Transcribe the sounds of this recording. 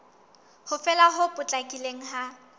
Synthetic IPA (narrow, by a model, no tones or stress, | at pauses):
hʊfɛlaɦʊpʼʊt͡ɬʼakʼileŋ̩ɦa